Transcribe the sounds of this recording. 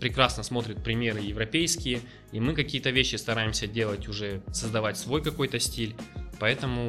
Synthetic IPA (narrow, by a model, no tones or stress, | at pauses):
pɾʲɪkɾasnəsmo̞t̪ɾʲɪt̪̚pɾʲɪmʲe̞ɾɨjɪvɾɐpʲejskʲɪjə | imɨkɐkʲijət̪əvʲeɕːɪst̪ɐɾajɪmsʲədʲe̞lˠətʲʊʐɛsəzd̪ɐvatʲsvo̞jkɐko̞jt̪əsʲtʲilʲpɐɛt̪əmʊ